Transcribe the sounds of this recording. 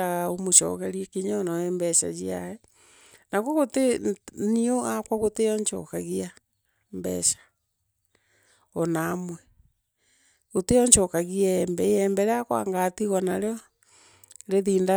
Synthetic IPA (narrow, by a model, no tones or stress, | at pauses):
aɣaomoʃɔ̰ɣɛɾiɛkiɲanɔɛmbɛʃa̰d͡ʒiaɛ | naɣoɣotenioakwaɣoteɔɲt͡ʃɔ̰kaɣia | mbɛ̰ʃḁ | ɔnamwɛ | ɣoteɔɲt͡ʃɔkaɣiaɛmbɛɛmbɛɾeakwa̰ŋɡatiɣanaɾeɔ | ɾeðiːnda